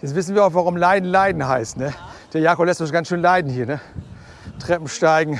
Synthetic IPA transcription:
jɛt͡sv̥ɪs̬n̩viːɐaʊxvaʁʊmlaɪdn̩laɪdn̩haɪstnəd̥eːɐjaːkɔplɛstd̥ɔɡansʃøːnlaɪdn̩hiːɐnə | tʁ̥ɛpm̩ʃtaɪɡŋ̩

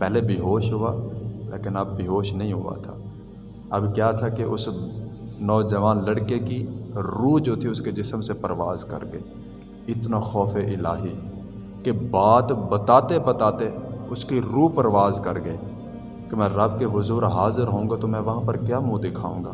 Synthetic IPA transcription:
pɛɦlebiɦoːʃɦʊaːlḛːkɪnɐb̚ːɪɦoːʃnɐɦĩɦʊa̰t̪ʰa̰ː | ɐbkjaːt̪ʰakeʔʊs | nɔːd͡ʒɐʋaːnlɐɽkekiɾuːd͡ʒoːt̪ʰiʊsked͡ʒɪsmsepɐɾʋaːzkɐ̰ɾɡɐeː | ɪt̪naxɔːfeʔɪlaːɦi | kebaːt̪bɐt̪aːt̪ebɐt̪aːt̪eʊskiɾuːpɐɾʋaːzkɐɾɡɐeː | kemɛ̃ɾɐb̚keʋʊzuːɾɦaːzɪɾɦõːɡat̪omɛ̃ːʋɐɦãpɐɾkjaːmũːd̪ɪkʰa̰ːṵ̃ːŋɡa̰ː

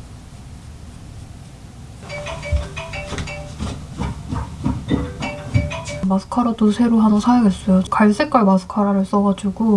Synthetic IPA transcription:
masʰɯ̥kʰaɾadosʰe̞ɾoɦanʌsʰajoŋɦes͈ʌjokaɭs͈e̞k͈aɭmasʰɯ̥kʰaɾaɾɯɭs͈ʌɡad͡ʑuɡo

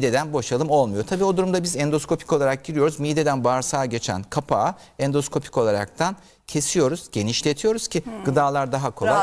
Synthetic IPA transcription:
id̪ed̪ænbo̞ʃalˠɯmo̞lˠmujo̞t̪ʰabiːo̞d̪uɾumd̪abizɛnd̪o̞sko̞pʰi̥kolˠaɾak̚ɟiɾijo̞ɾuzmid̪e̞d̪ænbaɾsaːɟe̞t͡ʃʰæ̰nkʰapʰaː | ɛnd̪o̞skʰo̞pʰi̥ko̞lˠaɾa̰k̚t̪ʰan | cʰe̞sijo̞ɾuz̥ɟe̞niʃlʲe̞t̪ʰijo̞ɾuz̥cʰiɡɯd̪aːlˠaɾd̪aɦakʰo̞lˠa

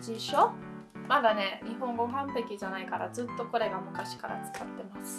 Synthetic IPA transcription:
d͡ʑiɕomad̪ane̞ɲ̟iɦõ̞ŋɡo̞ɦãmpe̞kʲiʑanaikaɾa̰zɨt̪ːo̞ko̞ɾe̞ɡamɯ̟kaɕi̥kaɾa̰t͡sɨ̥kat̪ːe̞masɨ̥

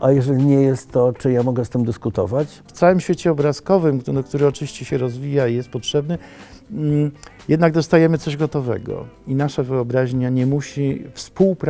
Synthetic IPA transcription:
ʔajɛʐɛlʲiɲɛjɛst̪ːɔt͡ʂɘjamɔɡɛst̪ɘmd̪ɘskut̪ɔ̰vat͡ɕft̪sawɘmɕfʲet͡ɕɛɔbɾaskɔvɘmd̪ɔkt̪uɾɘɔt͡ʂɘvʲiɕt͡ɕɛɕɛɾɔzvʲijaijɛst̪̚pɔtʂɛbnɘ | jɛd̪naɡd̪ɔst̪ajɛmɘsɔʑɡɔt̪ɔvɛ̰ɡɔ̰inaʂavɘɔbɾaʑɲaɲɛmuɕifspuwpɾ

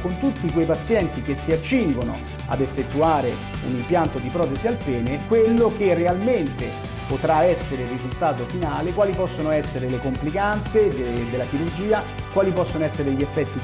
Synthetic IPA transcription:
kont̪ut̪ːikwejpat̪sːjɛnt̪ik̟esːiat͡ʃːiŋɡono̰ | a̰d̪efːet̪ːuaːɾe | ṵnimpjant̪od̪ipɾɔːt̪ezialpɛːnekwelːokerːealment̪e | pot̪ɾaɛsːeɾerizult̪aːt̪ofinaːlekwaːlipɔsːonoɛsːeɾelekomplikant̪sed̪ed̪elːak̟iɾurd͡ʒiːa | kwaːlipɔsːonoɛsːeɾeʎiefːɛt̪ːi

